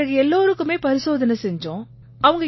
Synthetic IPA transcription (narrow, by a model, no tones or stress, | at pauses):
ɐɣɐɛlːoːɾɯkːɯmeːpɐɾɪsoːðɐnɐsɛɲd͡ʒõː | ɐʋɐŋɡɐ